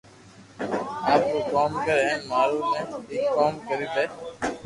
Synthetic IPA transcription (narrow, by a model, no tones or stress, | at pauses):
aːp̚koːkaːmkəɾẽːmaːɾuːmẽːɪːkkoːmkəɾiːt̪eː